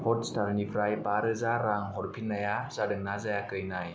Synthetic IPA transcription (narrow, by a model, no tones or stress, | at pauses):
hʰɔt̚staɾnipʰɾajpaɾɯzaɾaŋɦɔɾpʰinːajazadɯŋnazajakɯjnaj